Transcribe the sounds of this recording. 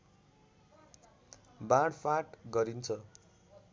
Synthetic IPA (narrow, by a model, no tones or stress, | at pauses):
bãɽpʰaʈɡʌɾint͡sʰʌ